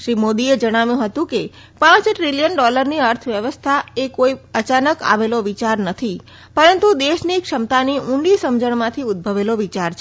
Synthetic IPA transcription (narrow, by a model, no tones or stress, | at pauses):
ʃɾimod̪ied͡ʒəɽ̃aʋjũɦət̪ũke | pãt͡ʃʈɾilijənɖɔləɾniəɾt̪ʰʋjəʋəst̪ʰaekoiət͡ʃanəka̰ʋeloʋit͡ʃaɾnət̪ʰi | pəɾənt̪ud̪eʃnikʂəmt̪aniʔũɳɖisəmd͡ʒəɳmãt̪ʰiʊd̪̚bʱəʋeloʋit͡ʃaɾt͡ʃʰ